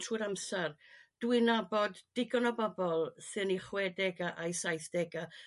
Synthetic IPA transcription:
tʰuːɾamsard̥wɪnabɔd̥ːɪɡɔnɔbɔbɔlˠsɨniχwɛdɛɡaʔajsajθd̥ɛɡa

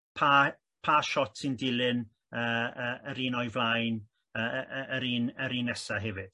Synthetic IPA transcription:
pʰa | pʰaʃɔtsɨndɪlˠɨn | əːəəɾiːnɔjvlˠajn | əːəəɾiːnəɾiːnɛsaɦɛvɨd̥

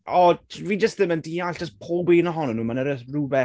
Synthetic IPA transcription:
ʔɔdwiːd͡ʒəstðɪməndiːaɬd͡ʒ̥əspʰoːbiːnaɦɔnɔnːuːmanəɾərubɛ

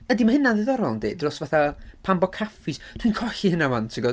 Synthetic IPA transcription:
ədimahɪnaðɨðɔɾɔlˠndḛːdrɔsvaθapʰambɔkʰafistʰwinkʰɔɬihɪnavantʰəɡɔ

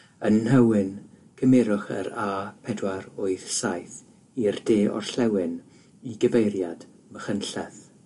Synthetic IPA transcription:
ənhəwɨn | kʰəmɛɾʊχə̰ɾaːpʰɛdwaɾʊɨθsajθ | irdeːʔɔ̰r̥ɬɛwɨn | iɡəvejɾjad̥ | məχənɬɛθ

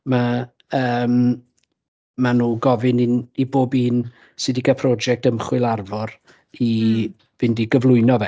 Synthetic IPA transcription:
ma | əːm | manuːɡɔvɪniniboːbiːn | sɨdiɡapʰrɔd͡ʒɛk̚təmχwɪlˠarvɔr | i | vɪndiɡəvlˠʊɨnɔvɛ

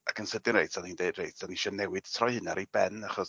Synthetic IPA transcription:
akʰənsədɪnrejtʰanindejdrejtʰaniʃɛnɛwɨd̥tʰrɔjhɨnaɾejbɛnaχɔs

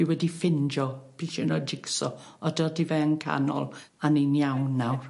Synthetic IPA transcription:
v̥iwɛdifɪnd͡ʒɔpʰiʃɛnɔdɪksɔɔdɔdivɛnkʰa̰nɔ̰lˠaninjawnːawr

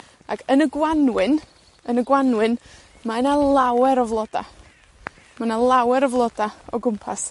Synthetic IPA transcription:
aɡənəɡwanwɨn | ənəɡwanwɨn | maənalˠawɛɾɔvlˠɔda̰ | manalˠawɛɾɔvlˠɔdaɔ̰ɡʊmpʰas

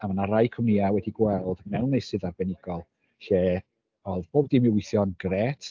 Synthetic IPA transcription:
amənaɾajkʰʊmniːawɛdiɡwɛlˠd̥mɛwnːejsɨðarbɛnɪɡ̥ɔlˠ | ɬɛː | ɔðboːb̚dɪmɪwɪθjɔnɡrɛːtʰ

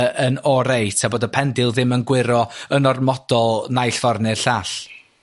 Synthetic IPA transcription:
ənɔɾejtʰaboːdəpʰɛndɪlˠðɪmənɡwɪɾɔənɔrmɔd̥ɔlˠnajɬv̥ɔrnɪrɬaɬ

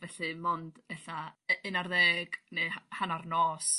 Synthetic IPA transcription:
vɛɬɨmɔnd̥ɛɬaɨnarðɛːɡnehahanarnɔːs

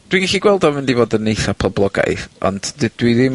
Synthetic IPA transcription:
d̥winɛxiɡwɛlˠdɔmɪndivoːdənːejθapʰɔblˠɔɡa̰jðɔ̰nd̥d̥wiðɪm

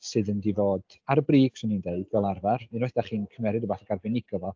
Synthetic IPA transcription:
sɨðəndivoːd̥ | aɾəbriːɡ̥sɪnindeɨd̥ɡɔlˠarvarinwɛθd̥aχiːnkʰəmɛɾɨdəbaθɔɡarvɛnɪɡɔvɔ

